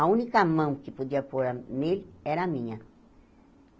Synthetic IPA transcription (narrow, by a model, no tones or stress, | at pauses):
ɐũnikɐmɐ̃w̃kɪpod̪iɐpoɾɐnelɛɾɐamĩɲɐ